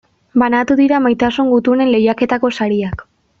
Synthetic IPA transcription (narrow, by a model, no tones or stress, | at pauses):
banat̪uðiɾamajt̪asuŋɡut̪une̞nle̞jake̞t̪ako̞saɾiak